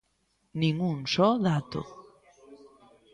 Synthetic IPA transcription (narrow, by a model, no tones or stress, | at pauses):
nĩŋũnsɔðat̪o̰